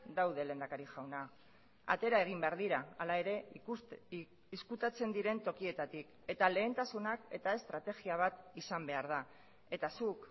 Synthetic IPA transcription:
d̪awðe̞le̞ːnd̪akaɾiʝawna | a̰t̪e̞ɾae̞ɣ̞imbe̞aɾðiɾaːlae̞ɾe̞ | iskut̪at͡se̞nd̪iɾe̞nt̪o̞kie̞t̪at̪ik | e̞t̪ale̞ːnt̪asunake̞t̪ae̞st̪ɾat̪e̞ɣiaβ̞at̪isambe̞aɾða | e̞t̪asuk

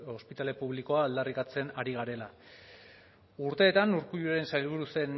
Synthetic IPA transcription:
o̞spit̪ale̞puβ̞liko̞aːld̪arikat͡se̞naɾiɣ̞aɾe̞la | uɾt̪e̞ːt̪anuɾkuʎuɾe̞nsajlβ̞uɾuse̞n

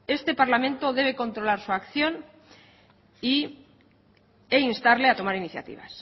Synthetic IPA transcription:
e̞st̪e̞paɾlamẽ̞nt̪o̞ðe̞β̞e̞ko̞nt̪ɾo̞laɾsuakθjo̞n | i | einst̪aɾle̞at̪o̞maɾiniθja̰t̪ḭβ̞a̰s

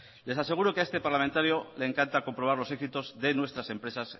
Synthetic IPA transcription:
le̞sase̞ɣ̞uɾo̞kee̞st̪e̞paɾlamẽnt̪aɾjoleːŋkant̪ako̞mpɾo̞β̞aɾlo̞se̞ksit̪o̞zðe̞nwe̞st̪ɾasẽ̞mpɾe̞sas

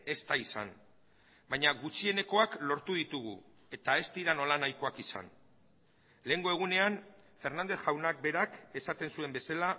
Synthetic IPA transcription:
e̞st̪aisa̰n | baɲaɣut͡ʃie̞ne̞ko̞aklo̞ɾt̪uðit̪uɣ̞ṵ | e̞t̪ae̞st̪iɾano̞lanajko̞akisa̰n | le̞ːŋɡo̞e̞ɣ̞une̞anfe̞ɾnand̪e̞θʝawnak̚be̞ɾake̞sat̪e̞nsue̞mbe̞sala

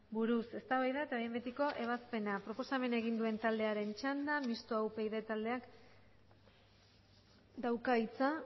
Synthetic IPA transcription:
buɾuse̞st̪aβajðaet̪ajembet̪iko̞ʔe̞β̞aspe̞napɾo̞po̞same̞naeɣ̞ind̪ue̞nt̪ald̪e̞aɾe̞nt͡ʃand̪amist̪oawpe̞iðe̞t̪ald̪e̞ak | d̪awkait͡sa

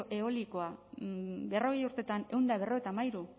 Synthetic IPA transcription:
ʔe̞o̞liko̞a | be̞ro̞ɣ̞e̞juɾt̪e̞t̪ane̞wnd̪aβe̞ro̞et̪amajɾu

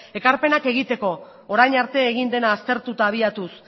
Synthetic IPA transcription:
e̞kaɾpe̞nake̞ɣit̪e̞ko̞ | oɾajɲaɾt̪e̞ːɣ̞ind̪e̞naːst̪e̞ɾt̪ut̪aːβ̞iat̪us

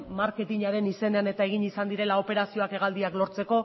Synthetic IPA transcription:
maɾke̞t̪iɲaɾe̞nise̞ne̞ane̞t̪ae̞ɣ̞iɲisand̪iɾe̞lao̞pe̞ɾasio̞ake̞ɣald̪iaklo̞ɾt͡se̞ko̞

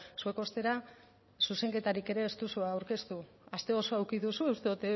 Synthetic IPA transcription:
sue̞ko̞st̪e̞ɾa | suse̞ŋke̞t̪aɾike̞ɾe̞ːst̪usuaːwɾke̞st̪u | ast̪e̞o̞so̞awkiðusueust̪eut̪e

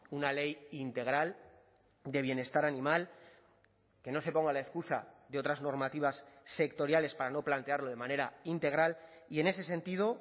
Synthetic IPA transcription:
unale̞jint̪e̞ɣ̞ɾal | d̪e̞β̞je̞ne̞st̪aɾanĩmal | ke̞no̞se̞po̞ŋɡalae̞skusaðeo̞t̪ɾazno̞ɾmat̪iβ̞asːe̞kt̪o̞ɾjale̞spaɾano̞plant̪e̞aɾlo̞ð̞e̞mane̞ɾaint̪e̞ɣ̞ɾal | ie̞ne̞se̞se̞nt̪iðo̞

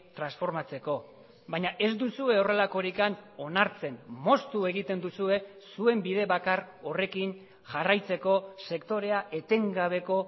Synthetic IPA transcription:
t̪ɾansfo̞ɾmat͡se̞ko̞ | baɲaʔe̞zd̪usue̞o̞re̞lako̞ɾikano̞naɾt͡se̞nmo̞st̪ue̞ɣit̪e̞nd̪usue̞sue̞mbiðe̞βakaro̞re̞kin | ʝarajt͡se̞ko̞se̞kt̪o̞ɾe̞aʔe̞t̪e̞ŋɡaβ̞e̞ko̞

